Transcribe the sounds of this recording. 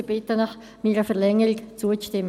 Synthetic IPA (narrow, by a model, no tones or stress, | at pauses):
əbɪt̪ənɑχ | miːɾəfɛʁlɛŋəʁɪkt͡suːət͡sʃtɪm